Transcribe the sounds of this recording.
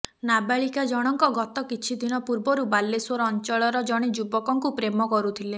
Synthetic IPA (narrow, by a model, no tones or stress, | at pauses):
nabaɭikad͡ʒɔɽ̃ɔŋkɔɡɔt̪ɔkit͡ʃʰid̪ʱinɔpuɾbɔɾubalːeswɔɾɔːnt͡ʃɔɭɔɾɔd͡ʒɔɽ̃id͡ʒubɔkɔŋkupɾemɔkɔɾut̪ʰile